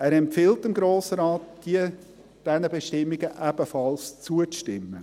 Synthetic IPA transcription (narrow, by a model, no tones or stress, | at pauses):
æːɾɛmpfɪltɪmɡɾoːsəɾaːt̚d̥iə | d̥ɛnəbeʃtɪmːiɡəʔæb̥əfɑlst͡suəʃtɪmːə